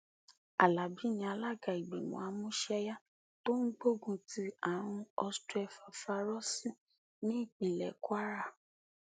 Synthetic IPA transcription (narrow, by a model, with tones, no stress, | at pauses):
a˨la˨bi˨˦nĩ˧a˧la˦ɡa˨i˨ɡ͡be˨mɔ̰̃˨a˨˦mũ˦ʃɛ˧ja˦ | to˦n̩˦ɡ͡bo˦ɡũ˧ti˦a˨ɾ̃ũ˧ɔ˧stɛ˧fa˨fa˧˦ɾɔ˦sĩ˦ | nĩ˦i˦˨k͡pĩ˨lɛ̰˨ku˦a˦ɾa˦˨